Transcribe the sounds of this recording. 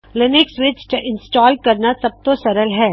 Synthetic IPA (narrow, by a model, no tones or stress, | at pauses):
lɪnɪksʋɪt͡ʃʈʔɪ̃nsʈɔːlɖ̚kɐɾnasɐb̚t̪osɐɾəlɦɛː